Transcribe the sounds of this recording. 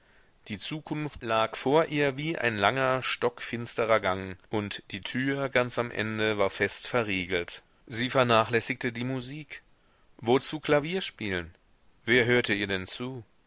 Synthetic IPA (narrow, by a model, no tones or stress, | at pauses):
d̥iːt͡suːkʰʊnftlaːkfoːɐʔiːɐviːʔa̰ɪnlaŋɐʃtɔkfɪnstəʁɐɡaŋʔʊntd̥iːtʰyːɐɡant͡samʔɛ̰ndəvaːɐfɛstfɛɐʁiːɡl̩t | ziːfɛɐnaːχlɛsɪktədiːmuziːk | vot͡suːkʰl̥aviːɐʃpiːlən | veːɐɦøːɐtəiːɐdɛnt͡suː